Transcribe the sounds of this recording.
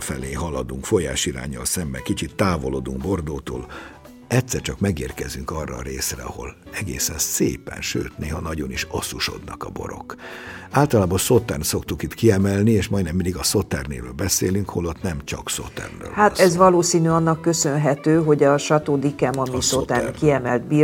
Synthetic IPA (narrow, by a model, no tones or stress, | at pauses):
fɛ̰leːɦɒlɒd̪uŋkfo̞ja̰ːʃiɾa̰ːɲːɒ̰lsɛmbɛkit͡ʃit̪ːaːvo̞loːd̪uŋɡbo̞rd̪oːt̪o̰ːl | ɛct̪sɛrt͡ʃɒkmɛɡeːrkɛzyŋkɒrːɒːɾeːsrɛ̰ɒho̞̰l | ɛɡḛːsɛnseːpɛ̰nʃø̰ːt̪neːɦɒnɒɟo̞niʃɒsuʃo̞̰d̪nɒkɒ̰bo̞̰ɾo̞̰kaːlt̪ɒlaːbɒso̞t̪ːɛnso̞kt̪ukit̪kiɛmɛlnieːʃmɒjd̪nɛmːind̪iɡɒso̞t̪ɛrnḛːvølbɛsḛːlyŋkholo̞t̪nɛmt͡ʃɒkso̰t̪ːɛ̰rrø̰ːlhaːt̪ɛzʋɒloːsiːnyɒnːɒkːø̞sønɦɛt̪øːɦo̞ɟɒʃɒt̪oːd̪ikɛmɒmisot̪arkiɛmɛld̪̚biː